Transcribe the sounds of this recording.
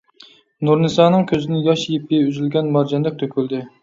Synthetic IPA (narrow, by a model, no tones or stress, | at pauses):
nuɾnɨsɑːnɨŋkʲʰøzɪnɪjɑʃjip̚ʲɛyzylɡʲɛnmɑɾd͡ʒɛnd̪ɛk̚ʲt̪ʰøkʲylˠd̪ɪ